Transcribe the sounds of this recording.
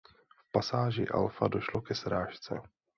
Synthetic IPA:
fpasaːʒɪʔa̰lfa̰do̞ʃlokɛsɾaːʃt͡sɛ̰

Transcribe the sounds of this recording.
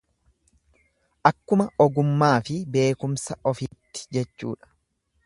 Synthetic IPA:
ʔɐkːʊmɐɔɡʊmːaːfɪbe̞ːkʊmsɐʔɔfiːt̪ːɪ̥d͡ʒɛt͡ʃːṵːᶑɐ̥

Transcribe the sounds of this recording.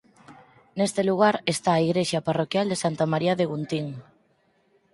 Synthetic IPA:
nest̪eluɣ̞aɾest̪aːiɣɾeʃaparokjald̪esant̪amaɾiaðeɣunt̪iŋ

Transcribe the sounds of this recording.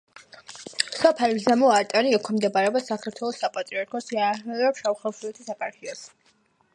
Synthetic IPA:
sɔpʰalizamɔaɾt̪ʼaniɛkʰɔmd̪ɛbaɾɛbasakʰaɾt̪ʰwɛlˠɔsːapʼat̪ʼɾiaɾkʰɔsiaɛvɛɾʃauχɛlˠsuɛt̪ʰisapʰʼaɾkʰiɔs

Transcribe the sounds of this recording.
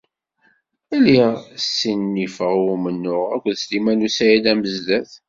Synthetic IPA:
ælisinːifəʁumənːʊʁækʷðst̪imænusæjilæməzðæθ

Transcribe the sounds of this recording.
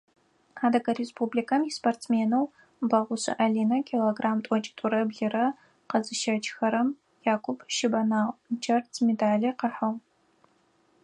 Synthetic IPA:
aːdɐɡɐrespʰuːblikʰɐmjisportt͡smeːnɐw | bɐʁʷʊɕɐ̰ʔɐɮiːnɐkʲʰiloːɡraːmtʷʼɔt͡ʃʼɪ̥tʼʊɾɐbɮɪrɐ | qɐzɨʃɐt͡ʃʼxɐɾɐm | jaːkʷʰʊpʰʃɪbɐnaːʁʷd͡ʒɐrtʰmedaːɮiːqəħɐʁ

